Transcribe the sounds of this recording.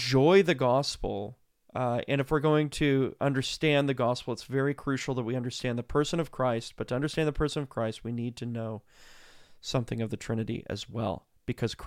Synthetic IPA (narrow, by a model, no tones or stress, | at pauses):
d͡ʒɔɪðɨɡɑspl̩ˠ | ɨ̰̃ñɨfwɨɹɡoʊɪ̃ŋtʰɨʌ̃ndə˞stæ̃nðɨɡɑspl̩ˠətsvɛɹikʰɹ̥ʉʃl̩ˠðət̚wiʌ̃ndə˞stæ̃nðəpʰɜ˞sɨ̃nʌv̥kʰɹ̥aɪst̚b̥ʌtʰɨʌ̃ndə˞stæ̃nðəpʰɜ˞sə̃nʌv̥kʰɹ̥aɪst̚winid̚tʰɨnoʊ | sʌ̃mθɪ̰̃ŋʌvðɨtʰɹ̥ɪ̃nɨɾḭʔɨ̰zwɛ̰lˠ | b̥ɨkʰʌz̥